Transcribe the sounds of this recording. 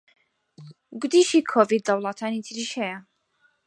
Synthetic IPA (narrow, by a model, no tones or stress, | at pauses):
ɡʊd̪iːʃiːkʰovid̪̚ːɐwlˠɑt̪ʰaːnit̪ʰiɾiʃhɛjɐ